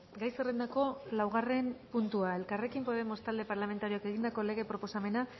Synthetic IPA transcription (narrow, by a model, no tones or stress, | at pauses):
ɡajserend̪ako̞lawɣ̞are̞mpunt̪uae̞lkare̞kimpo̞ð̞e̞mo̞st̪ald̪e̞paɾlame̞nt̪aɾioake̞ɣ̞ind̪ako̞le̞ɣe̞pɾo̞po̞same̞na